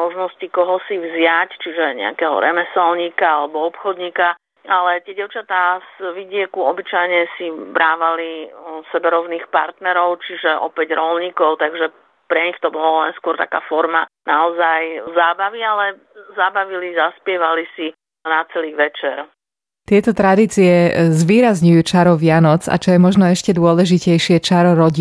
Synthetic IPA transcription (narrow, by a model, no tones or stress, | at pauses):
mɔʒnɔscikɔɦɔsivzɪact͡ʃiʒɛɲɛ̰a̰kɛːɦɔ̰ɾɛ̰mɛsɛlɲiːkaalɛbɔɔpxɔd̪ɲiːka | alɛt̪ɪɛɟɛʊt͡ʃat̪aːsʋiɟɪɛkuɔbit͡ʃajɲɛsibɾaːʋalisɛbɛɾɔʊniːxpa̰ɾt̪nɛɾɔʊt͡ʃiʒɛʔɔ̰pɛɟɾɔlɲikɔʊt̪aɡʒɛ | pɾɛɲixt̪ɔbɔllɛnskwɔɾt̪a̰ka̰ːfɔɾmanaɔzajzaːbaʋialɛ | zaːbaʋilizaspɪɛʋalisi | nat͡sɛliːɣʋɛt͡ʃɛɾ | t̪ɪɛt̪ɔt̪ɾad̪iːt͡siɛzʋiːɾazɲujuːt͡ʃaɾɔʋɪanɔt͡sa̰t͡ʃɔjɛmɔʒnɔɛʃcɛd̪ʊɔlɛʒicɛjʃɪɛt͡ʃaɾɔɾɔɟi